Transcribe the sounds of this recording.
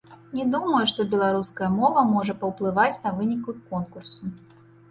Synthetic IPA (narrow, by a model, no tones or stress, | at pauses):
nʲɛd̪umɐjuʂt̪ɔbʲɛlˠaɾuskɐjɐmɔvɐmɔʐɐpɐwplˠɨvat͡sʲnɐvɨnʲikɨkːɔnkursu